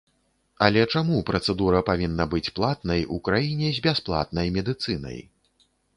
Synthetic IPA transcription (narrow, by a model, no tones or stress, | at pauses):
ɐlʲɛt͡ʂamupɾɐt̪sɛd̪uɾɐpavʲinːɐbɨt͡sʲplˠat̪nɐjukɾajinʲɛzʲbʲasplˠa̰t̪nɐjmʲɛd̪ɨt̪sɨnɐ̰j